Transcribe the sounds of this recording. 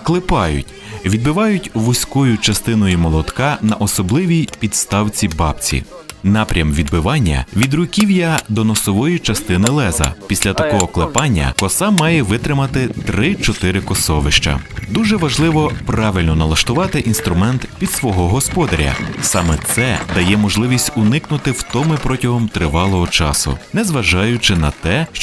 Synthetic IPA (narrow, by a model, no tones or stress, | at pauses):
klˠɪpɑjʊ̰tʲ | ʋʲid̪bɪʋɑjʊtʲʋʊsʲkɔjʊt͡ʃɐst̪ɪnɔjʊmɔlˠɔt̪kɑnɐʔɔsɔblˠɪʋʲijpʲid̪st̪ɑwt͡sʲibɑpt͡sʲḭ | nɑpɾʲɐmʋʲid̪bɪʋɑnʲːɐ̰ʋʲid̪ɾʊkʲiwjɐd̪ɔnɔsɔʋɔjit͡ʃɐst̪ɪnɪlˠɛzɐ̰pʲisʲlʲɐt̪ɐkɔɦɔklˠɪpɑnʲːɐ̰kɔsɑmɑjɛʋɪt̪ɾɪmɐt̪ɪt̪ɾɪt͡ʃɔt̪ɪɾɪkɔsɔʋɪʃt͡ʃɐ̰d̪uʒɛʋɐʒlˠɪʋɔpɾɑʋʲilʲnɔnɐlˠɐʃt̪ʊʋɑt̪ɪʔinst̪ɾʊmɛnt̪pʲid̪sʋɔɦɔɦɔspɔd̪ɐɾʲɐ̰sɑmɛt̪sɛd̪ɐjɛmɔʒlˠɪʋʲisʲtʲʊnɪknʊt̪ɪwt̪ɔmɪpɾɔtʲɐɦɔmt̪ɾɪʋɑlˠɔɦɔt͡ʃɑ̰sʊ̰nɛzʋɐʒɑjʊt͡ʃɪnɐt̪ɛʃ